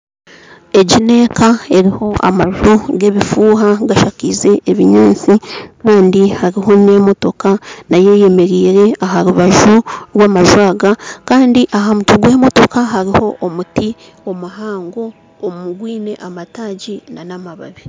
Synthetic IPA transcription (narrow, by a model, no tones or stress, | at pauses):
e̞ɟine̞ːkae̞ɾiho̞ʔa̰maʒoɡe̞βifuːɦaɡaʃakize̞ʔːβiɲaːnt͡sikaːndihaɾiɦo̞ne̞mo̞to̞kanaje̞je̞me̞ɾiːɾe̞aɦaɾuβaʒuɾwaːmaʒwaːɡakaːndiʔaɦamutuɡwe̞ːmo̞to̞kaɦaɾiho̞ʔːmuti | o̞muɦaːŋɡo̞ː | mumuɡwiːne̞ʔamataːɟinanamaβa̰βe